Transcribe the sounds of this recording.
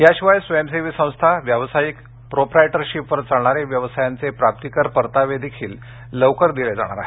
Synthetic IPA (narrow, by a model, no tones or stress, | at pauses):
ɦjaɕiʋajsʋems̬eʋiːsə̃w̃st̪ʰaʋjəʋsajik | pɾopɾaeʈəɾɕipʋəɾt͡saɳ̃aɾeʋjəʋsajant͡sepɾap̚t̪ikəɾpəɾt̪aʋed̪ekʰiːlː | əʋkəɾd̪iled͡za̰ɽ̃aɾa̰ɦe